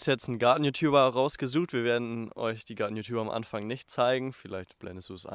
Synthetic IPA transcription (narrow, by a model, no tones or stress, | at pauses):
sjɛt͡sn̩ɡaɐtn̩jutʰjuːbɐʁaʊsɡ̥əzuːxtv̥iːɐveːɐdn̩ʔɔ̰ʏçd̥iːɡaɐtn̩juːtʰjuːbɐamʔa̰nfaŋnɪçtt͡saɪɡŋ̩fɪlaɪçtb̥lʔɛ̰ndəsd̥uːsʔa̰